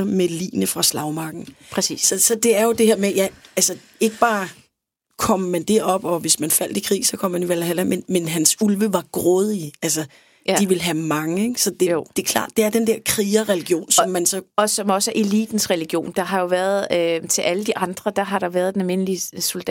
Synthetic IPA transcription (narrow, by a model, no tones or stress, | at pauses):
ɐmelḭːnəfʁɑ̈slɑ̈ʊmɑ̈ɡ̥n̩pʰʁɛsḭːssɒ̽sɒ̽d̥e̝æɐjo̝d̥e̝heɐmejæælsə | e̝ɡ̥əb̥ɑ̈ː | kʰɒ̽m̰mænd̥e̝ɒ̽b̥ɒ̽ʋe̝smænfæl̰d̥ikʰʁḭːsɒ̽kʰɒ̽m̰mæniʋælæhæl̰æmenmenɦænsulʋəʋɑ̈ɡ̥ʁɔðˠiæls̬ɐ | d̥iʋe̝lɦæmɑ̈ŋəeɡ̥sɒ̽d̥e̝jo̰d̥e̝kʰlɑ̰̈ːd̥̚d̥e̝æɐd̥end̥ɛɐ̰kʰʁiːɐʁɛliɡ̥jo̝̰ːnsɒ̽mːænsɒ̽ɒ̽sɒ̽mɒ̽sæʔe̝lḭːd̥n̩sʁɛliɡ̥jo̝̰ːnd̥ɑ̈ɦɑ̈jo̝ʋæɐð̞ˠøt͡sʰe̝lʔæləd̥iʔɑ̈nd̥ʁɐd̥ɑ̈ɦɑ̈ɾ̥ɑ̈ʋæɐðˠd̥enælme̝n̰lisold̥ɛ